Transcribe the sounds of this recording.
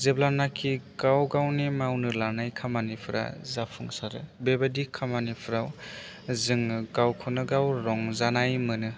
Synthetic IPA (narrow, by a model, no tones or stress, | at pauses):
zeblanakʰiɡawɡawnimawnɯlanajkʰamanipʰɯɾa̰zapʰɯŋsaɾɯ̰bebadikʰamanipʰɯɾaw | zɯŋɯɡawkʰɯnɯɡawɾɔŋzanajmɯnɯ